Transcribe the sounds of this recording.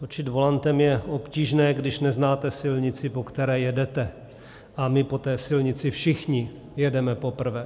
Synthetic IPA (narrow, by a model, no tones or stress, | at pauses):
t̪ot͡ʃɪd̪vo̞lant̪ɛmjɛʔo̞pciːʒnɛːɡdɪʃnɛznaːt̪ɛsɪlɲɪt͡sɪpo̞kt̪ɛɾɛːjɛdɛt̪ɛ | ʔamɪpo̞t̪ɛːsɪlɲɪt͡sɪfʃɪxɲɪ | jɛdɛmɛpo̞pr̩vɛː